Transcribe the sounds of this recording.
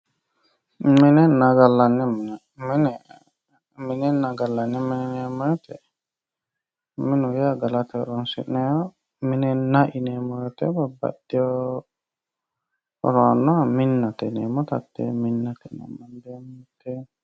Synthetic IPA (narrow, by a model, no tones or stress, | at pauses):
mɛnɛnaɡalːanɛmn | mɛnɛ | minɛnaɡalːanːɛmɛnɛnɛmɔjɔt̪ɛ̰ | minujɛaɡalat̪ɛɾɔnsḭʔnɛɔ | minɛnaʔinɛmɔjɔt̪ɛ̰baba̰diɔ | ɾɔnɔaminːat̪ɛnɛmɔt̪a̰tːɛ̰minːat̪ɛ̰na̰mandɛmtɛ